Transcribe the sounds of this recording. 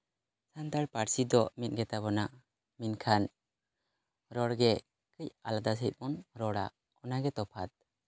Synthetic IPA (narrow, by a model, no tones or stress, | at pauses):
sant̪aɽpaɽsid̪ɔmit̪̚ɡɛt̪abɔnaʔ | minkʰan | ɾɔɽɡɛ | kəjalad̪asɦət̪̚ˀmɔnɾɔɽa | ɔnaɡɛt̪ɔpʰat̪̚